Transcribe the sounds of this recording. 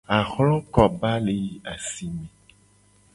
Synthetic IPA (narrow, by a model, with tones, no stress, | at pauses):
a˨xlɔ̃˦kɔ˨ba˦le˨i˦a˨si˨mẽ˨